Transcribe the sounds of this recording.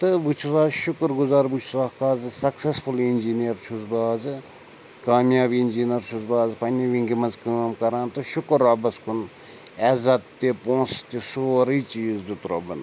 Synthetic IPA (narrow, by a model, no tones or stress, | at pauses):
t̪ɨbut͡ʃʰzaːzʃʊkɾɡʊzaːɾbut͡ʃʰzaːhkaːzɨsɐksesfʰulinʲd͡ʒinijɐɾt͡ʃʰuzbaːzɨ | kaːmjaːbinʲd͡ʒiːnɐɾt͡ʃʰuzbaːzpɐnʲiʋiŋɡimɐnzkəːmkɐɾãːnt̪ɨʃʊkɾːaːbɐskun | ɛzɐt̪t̪ːepõːnst̪ʲisoːɾiːt͡ʃiːzd̪ut̪ɾɐ̰bɐn